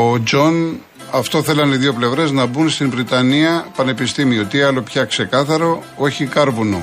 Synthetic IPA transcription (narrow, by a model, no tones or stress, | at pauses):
od͡ʒo̞n | ɐft̪o̞θe̞lɐniðjo̞ple̞vɾe̞znɐbunst̪iɱvɾit̪ɐniɐpɐne̞pist̪imiot̪iɐlo̞pçɐkse̞kɐθɐɾo̞o̞çikɐɾvuno